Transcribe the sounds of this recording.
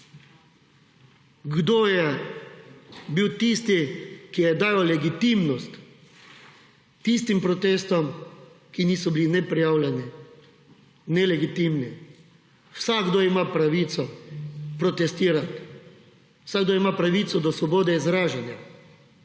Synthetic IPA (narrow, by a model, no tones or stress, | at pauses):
ɡd̪oːjɛ | biwt̪ist̪ikijɛd̪aːjɔlɛɡit̪imnɔst̪ | ist̪impɾɔt̪eːst̪ɔm | kiniːsɔbilinɛpɾijaːwlɛni | nɛlɛɡit̪imni | wsaɡd̪oːimapɾaʋit̪sɔpɾɔt̪ɛst̪iːɾat̪ | saɡd̪oimapɾaʋit̪sɔd̪ɔsʋɔboːd̪ɛizɾaːʒɛnja